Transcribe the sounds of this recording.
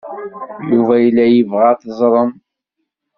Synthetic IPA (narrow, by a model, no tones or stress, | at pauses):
juvæjəlːæjəvʁæθəzˤɾˤən